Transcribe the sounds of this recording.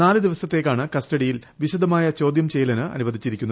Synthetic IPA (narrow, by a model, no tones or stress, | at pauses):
naːlɨd̪iʋɐsɐt̪ːe̞kːaːɳɨkɐstɐɽijilʋiɕud̪ʱɐmaːjɐt͡ɕo̞ːd̪jɐmt͡ɕejlɐnɨɐ̰nuʋɐd̪ʱit͡ɕːiɾikʲːunːɐ